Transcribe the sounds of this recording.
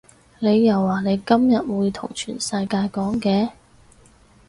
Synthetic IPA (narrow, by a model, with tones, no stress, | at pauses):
ne˨˧jːɐ˨˩wːaː˨˩ne˨˧jkɐ˥mjɐ˨t̚wuː˨˧jt̪ʰʊ̰˨˩ŋt͡ʃʰy̰ː˨˩nsɐ˧jkaː˧jkɔː˨˥ŋkɛː˨˧